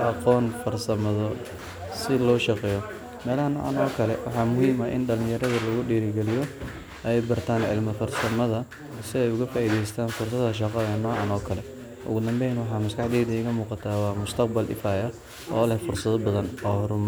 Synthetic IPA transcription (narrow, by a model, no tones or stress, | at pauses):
ʔɑqɔːnfɐrsɐmɐðɔ | sɪlɔːʃɑqɛːjɔ | mɛːlɐhɐnɔ̰ːʕɑ̰nɔːkʰɐlɛ̰wɑ̰ħɑːmʊhiːmɐʔɪ̰nɖɐlɪjɐɾɐðɐlɐɣʊɖiːɾɪɡɛlɪjɔ | ʔɛjbɐrt̪ʰaːnʕɪ̰lmɐfɐrsɐmɐðɐ | sɪɛjʊɣɐfaːʔiːðɛjst̪ʰaːnfʊrs̬ɐðɐʃ̬ɑqɔɛnɔʕɑnɔːkʰɐlɛ | ʔʊ̰ɣʊd̪ɐmbɛjnwɑħɑːmɐskʰɑħd̪ɛːðɪɣɐmuːqɑt̪ʰaːwɑːmʊst̪ʰɐq̚bɐlʔɪ̰faːjɐ | ʔɔ̰ːlɛhfʊrsɐðɔbɐðɐnɔːhɾʊm